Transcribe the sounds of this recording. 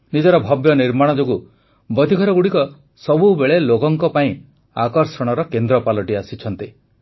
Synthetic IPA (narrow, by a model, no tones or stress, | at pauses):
nid͡ʒɔɾɔbʱɔbjɔniɾmaɽ̃ɔd͡ʒoɡu | bɔd̪iɡʱɔɾɔɡuɽikɔ | sɔbubeɭelokɔŋkɔpaĩ | akɔɾsɔɽ̃ɔɾɔkend̪ɾɔpalɔʈiasit͡ʃʰɔnt̪i